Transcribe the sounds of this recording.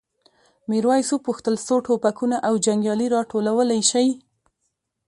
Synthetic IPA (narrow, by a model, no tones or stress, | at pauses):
meɾwɑjsopuxt̪əlsoʈʰopakunaʔawd͡ʒaŋɡjɑliɾɑʈolawəlajʃaj